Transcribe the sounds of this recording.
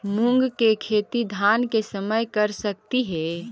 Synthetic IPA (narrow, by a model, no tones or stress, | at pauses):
muŋɡkekʰeːt̪id̪ʱankesəməjkəɾsək̚t̪iɦɛ